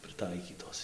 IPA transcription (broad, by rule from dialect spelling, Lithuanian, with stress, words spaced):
prɨˈtɐɪkʲiːtoːs